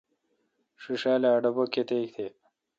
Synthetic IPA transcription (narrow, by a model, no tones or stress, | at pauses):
ʂiʂaːlaːɖɐbokːet̪ekt̪ʰe